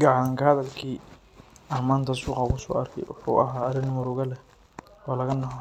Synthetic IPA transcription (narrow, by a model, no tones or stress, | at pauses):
ɡɑʕaːŋkʰɐhɐðɐlkʰiː | ɐrmaːnt̪ʰɐsuːqɐkʰʊsɔ̰ːʔɐrkʰɛ̰jwʊ̰ħṵːʔɐ̰ɦaːɐrɪnmʊɾʊɣɐlɛ | ɔːlɐɣɐnɔɦɔ